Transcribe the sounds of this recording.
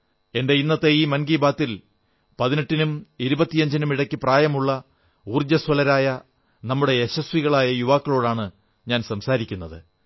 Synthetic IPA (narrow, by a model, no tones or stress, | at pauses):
e̞nde̞inːɐt̪ːeiːmɐnɡiːbaːt̪ːil | pɐðineʈːinumiɾubɐt̪ːijɐɲd͡ʑinumiɽɐkʲːipraːjɐmuɭːɐ | uːrd͡ʑɐsʋɐlɐɾaːjɐ | nɐmːuɽe̞ːɕɐswiɣɐɭaːjɐjuʋaːkːɐɭo̞ːɽaːɳɨ | ɲaːnsɐmsaːɾikʲːunːɐðɨ